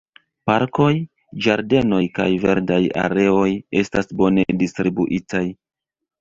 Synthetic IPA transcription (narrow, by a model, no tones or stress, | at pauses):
paɾko̞j | d͡ʒaɾde̞no̞jka̰jve̞̰ɾdaja̰ɾe̞o̞je̞stasbo̞ne̞distɾibuʔitʰaj